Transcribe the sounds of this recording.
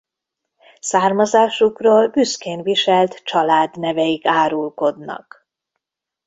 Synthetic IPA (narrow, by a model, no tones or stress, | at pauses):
saːrmɒzaːʃukroːlbyskeːnviʃɛlt̪t͡ʃɒlaːd̪nɛvɛjikaːɾulko̞d̪nɒ̰k